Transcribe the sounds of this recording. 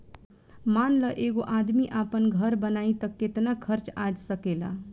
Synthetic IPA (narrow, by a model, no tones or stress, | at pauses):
manləʔeɡoʔad̪miʔapənɡʱəɾbənait̪əkːet̪nakʰəɾt͡ʃad͡ʒsəkela̰